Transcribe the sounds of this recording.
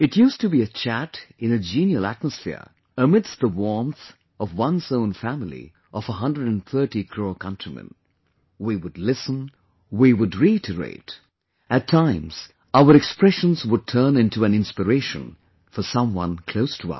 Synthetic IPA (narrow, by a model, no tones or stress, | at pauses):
ɨtjʉstɨbiɨt͡ʃʰæɾɨ̃nɨd͡ʒĩnjl̩ˠæ̰t̚məsfɪ̰ɹ | əmɪdsðəwɔɹmθ | ʌvwʌ̃nzõʊ̃nfæmlˠḭ | ʔʌvəɦʌ̃ndɹɨdɨ̃nθɜ˞ɾikʰɹ̥oʊkʰʌ̃ntʰɹ̥imɨ̰̃n | wiwɨdˡlɪsə̃n | wiwʊdɹiɪtəɹḛɪt | ɨtʰãɪ̃mz̥ | aʊə˞ɨkspɹɛʃə̃nzwəd̚tʰɜ̃˞nɪ̃ntuɨ̃nɪ̃nspəɹeɪʃɨ̰̃n | fəsʌ̃mwʌ̰̃nkʰl̥oʊstʰəʌ̰